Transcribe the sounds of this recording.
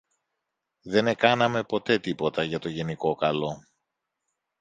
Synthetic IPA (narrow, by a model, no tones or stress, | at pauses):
ðe̞ne̞kɐnɐme̞po̞t̪e̞t̪ipo̞t̪ɐʝɐt̪o̞ʝe̞niko̞kɐlo̞